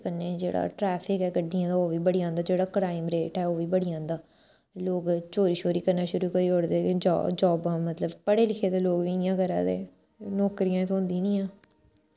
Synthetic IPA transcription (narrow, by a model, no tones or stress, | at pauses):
kəneːd͡ʒḛːɽa̰ːʈɾɛːpʰɪkɛːɡəɖːiãːt̪aːoːʋiːbəɽijãːnd̪aːd͡ʒeːɽaːkɾaːɪmɾeːʈɛːoːʋiːbəɽiãːnd̪aː | loːɡt͡ʃoːɾiːʃoːɾiːkəɾnaːʃʊɾuːkəiːoːɽd̪eːd͡ʒ̰ːd͡ʒɔːbamət̪ləbpəɽeːlɪkʰeːd̪eːloːɡʋiːɪjãːɡəɾa̰ːd̪ḛː | nɔːkɾijãːt̪oːnd̪ĩːnĩːãː